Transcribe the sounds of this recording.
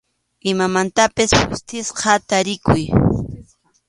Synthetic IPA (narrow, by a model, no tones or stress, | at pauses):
ɪmamant̪apɪshʊ̰st̪ɪsqɑt̪aɾɪkʊj